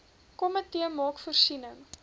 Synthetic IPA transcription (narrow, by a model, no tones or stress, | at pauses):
kɔmətiəmɑːkfərsinəŋ